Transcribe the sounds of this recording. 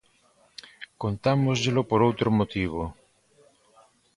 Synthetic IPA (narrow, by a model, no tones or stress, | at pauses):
kont̪amozʎelopoɾowt̪ɾomot̪iβ̞o